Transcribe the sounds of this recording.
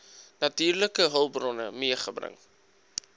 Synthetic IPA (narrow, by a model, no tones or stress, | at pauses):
nɐtyːrləkəɦəlˠbrɔnə̰miəχəbrə̰ŋ